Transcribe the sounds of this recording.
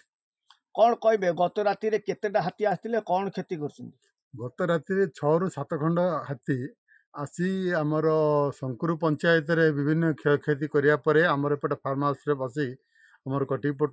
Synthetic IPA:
kɔɽ̃ɔkɔɦjbeɡɔt̪ɔɾat̪iɾeket̪eʈaɦat̪iast̪ʰilekɔɽ̃ɔkʰet̪ikɔɾut͡ʃʰɔnt̪i̥ | ɡɔt̪ɔɾat̪iɾet͡ʃʰɔɾusat̪ɔkʰɔɳɖɔɦat̪i | asiamɔɾɔsɔŋkuɾupɔnt͡ʃajɔt̪̬ɔɾebibʱinːɔkʰkʰet̪̬ikɔɾibapɔɾeamɔɾɔepɔʈapʰaɾmasɾepas̬i | amɔɾɔkɔʈip̬o

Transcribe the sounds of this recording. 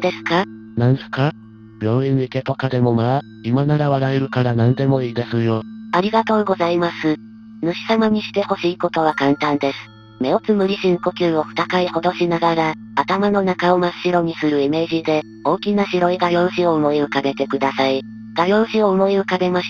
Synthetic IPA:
d̪e̞sɨ̥ka | nãnsɨ̥ka | b̥ʲjo̞ːĩɲiike̞t̪o̞kad̪e̞mo̞ma | imanaɾaβaɾaeɾɯ̟kaɾanãnd̪e̞mo̞iːd̪e̞sɨjoaɾʲiɡat̪o̞ːɡo̞zaimasɨ | nɯ̟ɕi̥samaɲ̟iɕi̥t̪e̞ho̞ɕiːko̞t̪o̞β̞akãnt̪ãnd̪e̞sɨ̥ | me̞ot͡sɨmɯ̟ɾʲiɕĩŋko̞kʲɨːo̞ɸɯ̟t̪akaiho̞d̪o̞ɕinaɡaɾa | at̪amano̞nakaomḁɕiɾo̞ɲ̟isɨɾɯ̟ime̞ːʑid̪e̞ | o̞ːkʲinaɕiɾo̞iɡajõ̞ːʑio̞ɯmoiɯ̟kaɡe̞t̪e̞kɯ̟d̪asai | ɡ̪̥ajo̞ːɕio̞ɯmoiɯ̟kaɡe̞maɕi̥

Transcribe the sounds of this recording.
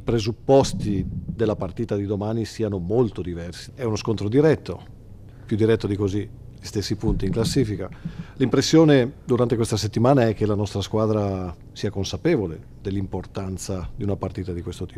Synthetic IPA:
ipɾezupːɔst̪id̪elːapart̪iːt̪ad̪id̪omaːnisiːanomolt̪od̪ivɛrsiɛunoskont̪ɾod̪iɾɛt̪ːo | pjud̪iɾɛt̪ːod̪ikozi | ʎist̪esːipunt̪iːŋklasːiːfikalimpɾesːjoːned̪uɾant̪ekwest̪aset̪ːimaːnaɛk̟ːelanɔst̪ɾaskwaːd̪ɾa | siːakonsapeːvolḛ | d̪elːimport̪ant̪sad̪iunapart̪iːt̪ad̪ikwest̪ot̪iː

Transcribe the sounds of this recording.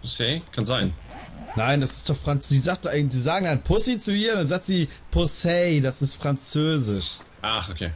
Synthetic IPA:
pʰosɛːkʰanzaɪn | naɪndasɪ̥std̥ɔχfʁ̥ant͡sz̥iːzaːk̚t̚aɪŋz̥iːzaːɡŋ̩danpʰʊsit͡suʔiːɐndanzaːk̚tz̥iːpʰʊsɛɪdasɪstfʁ̥ant͡søːzɪʃ | ʔaχokʰḛː

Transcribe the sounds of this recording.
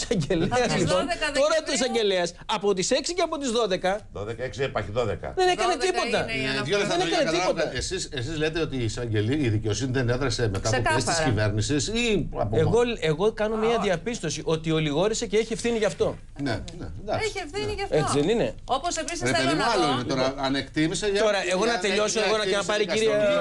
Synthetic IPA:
sɐɲɟe̞leɐzlipo̞noɾɐt̪ois̬ɐɲɟeleɐsɐpo̞t̪̬ise̞ksiceɐpo̞t̪izðo̞ðe̞kɐðoðekɐeksɾpɐçiðoðekɐ̰ðenekɐnet̪itpo̞t̪ɐoeenekɐnet̪ipo̞ɐesisesizle̞t̪e̞o̞t̪isɐɲɟeliiðice̞o̞siniðeneðɾɐse̞me̞t̪ɐoest̪isive̞ɾnisisiɐ̰peɣo̞e̞ɣo̞kɐno̞miɐðiɐpist̪o̞siʔo̞t̪io̞liɣo̞ɾise̞ceeçie̞fθiniʝɐft̪o̞ | nḛnḛd̪ɐkfinesiðenine̞oposevɾisɾeeimɐloinet̪oɾɐɐnekt̪imiseʝɐt̪o̞ɾɐʔe̞ɣo̞nɐt̪e̞ʎo̞soeɣo̞nɐenɐpɐɾiciɾie

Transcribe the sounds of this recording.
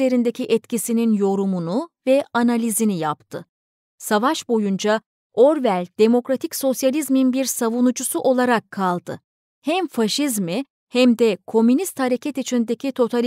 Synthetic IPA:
e̞ɾind̪ecʰiʔɛt̪cisininjo̞ɾumunuvɛanalʲizinijapt̪ʰɯ | savaʃbo̞jund͡ʒa | o̞ɾvælʲd̪̥e̞mo̞kɾat̪ʰicso̞sjalʲizminbiɾsavunud͡ʒusuʔo̞lˠaɾakʰːalˠd̪ɯ̰ | hæmfaʃizmi | hæmd̪ɛkʰo̞mynist̪haɾe̞cʰɛt̪it͡ʃʰind̪e̞cʰit̪ʰo̞t̪ʰalʲ

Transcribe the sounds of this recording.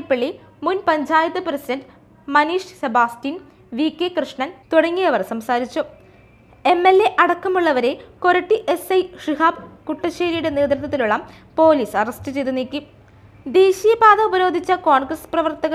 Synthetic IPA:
pːeɭːi | munpɐɲd͡ʑaːjɐt̪ːɨprɐsidɐndɨ | mɐniːʂsebaːstiːn | ʋiːkʲːekrɨʂɳɐnt̪uɽɐŋːijɐʋɐrsɐmsaːɾit͡ɕːu | e̞mːe̞lːe̞ʔɐɽɐkːɐmuɭːɐʋɐɾe̞ko̞ɾɐʈːiʔesɐjʂriɦaːbkuʈːɐɕeːɾijuɽe̞ne̞ːt̪rɨt̪ːɐt̪ːiluɭːɐm | po̞ːliːsɐrɐstɨt͡ɕejt̪unːiːkʲːum | d̪e̞ːɕijɐbaːðɐubɐɾo̞ːd̪ʱit͡ɕːɐkoːɳɡrɐsprɐʋɐrt̪ɐɣɐ

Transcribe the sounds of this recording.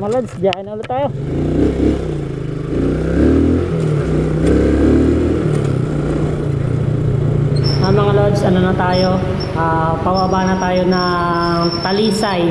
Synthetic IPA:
lod̪sbjaːhɪnɐʊlot̪ːaːjo | ʔɐmɐŋalod̪sɐnonɐt̪aːjo̞ | ʔaː | pɐwaːbanɐt̪aːjo̞nɐ | t̪ɐliːsaj

